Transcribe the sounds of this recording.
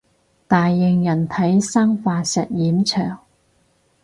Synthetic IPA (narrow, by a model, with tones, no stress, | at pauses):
t̪aː˨jːɪ˨ŋjɐ˨˩nt̪ʰɐ˨˥jsaː˥ŋfaː˧sɐ˨t̚jiː˨˥mt͡sʰœː˨˩ŋ